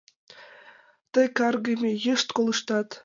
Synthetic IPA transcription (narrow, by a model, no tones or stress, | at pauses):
t̪ɤ̆jkɑrɡə̆mʲejəʃt̪kolˠɯʃt̪ɑt̪